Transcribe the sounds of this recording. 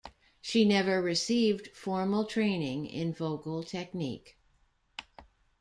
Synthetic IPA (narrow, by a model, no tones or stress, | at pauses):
ʃinɛvə˞ɹɨsivd̥fɔɹml̩ˠtʰɹ̥ẽɪ̃nɪ̃ŋɪ̰̃nvoʊkl̩ˠtʰɛk̚nḭk